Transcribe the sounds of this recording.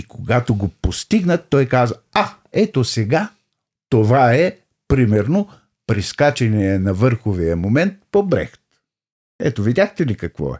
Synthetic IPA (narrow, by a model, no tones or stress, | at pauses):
ikoɡat̪oɡopost̪iɡnət̪ːɔjkazəa | ɛt̪osɛɡa | t̪ovaɛ | pɾimɛɾno | pɾiskat͡ʃɛniɛnɐvɤɾxovijəmomɛnt̪̚pobɾɛ̰xt̪ | ɛ̰t̪ovid̪ʲaxt̪ɛlikɐkvɔ̰ɛ̰